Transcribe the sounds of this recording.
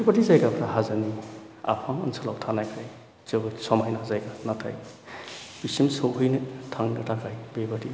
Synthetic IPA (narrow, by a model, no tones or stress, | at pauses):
ebaɾizajɡapʰɾahazani | a̰pʰaŋɐ̰nsʰalawtʰanajkʰaj | z̥ɯwsɔmajnazajɡanatʰa̰j | b̥isimsɯwɦɯjnɯtʰaŋnɯtʰakʰajbebaɾi